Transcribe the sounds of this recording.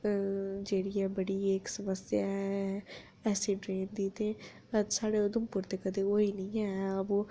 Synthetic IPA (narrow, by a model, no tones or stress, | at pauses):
d͡ʒeːɽiːɛːbəɽieːksəməsjaɦɛ | ɛːsiɖɾeːnd̪iːt̪ẽ | saːɽeʊd̪əmpʊɾt̪ekəd̪eoːiːnəĩɛɦboː